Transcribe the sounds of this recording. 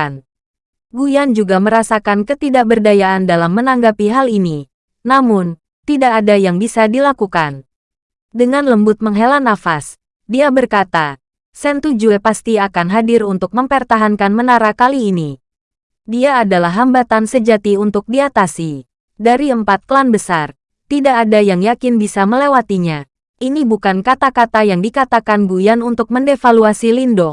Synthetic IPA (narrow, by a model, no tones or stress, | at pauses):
n | ɡujand͡ʒuɡaməɾasakankət̪idaʔ̚bərdajaːndalamːənaŋɡapiɦalini | namʊn | t̪idaʔːdajaŋbisadilakukan | dəŋanləmbʊt̪̚məŋɦelanːafas | diabərkat̪a | sɛnt̪ud͡ʒuepast̪iakanɦadɪrunt̪ʊk̚məmpərt̪aɦankanmənaɾakaliːni | diaːdalaɦːambat̪ansəd͡ʒat̪iunt̪ʊk̚diat̪asi | daɾiəmpat̪̚kəlanbəsar | t̪idaʔːdajaŋjakɪnbisaməlewat̪iɲa | ʔinibukankat̪akat̪ajaŋdikat̪akanbujanunt̪ʊk̚məndefaluasilindɔ